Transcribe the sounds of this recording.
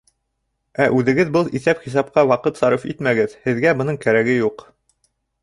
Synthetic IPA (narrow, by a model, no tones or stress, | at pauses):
æʔʉðɘ̆ɡɘðbɤlˠiθæpχis̬ɑp̚qɑwɑqɤt̪sɑɾɤfḭt̪mæɡɘðhɘ̆ðɡæbɤ̆nɤɴkæɾæɡɘjuq